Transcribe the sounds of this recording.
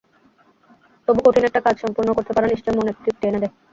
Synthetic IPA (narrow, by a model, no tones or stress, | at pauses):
t̪obukoʈʰinɛk̚ʈakad͡ʑʃɔmpuɾnokoɾt̪epaɾeniʃt͡ɕɔemonet̪ːɾik̚ʈeneɾe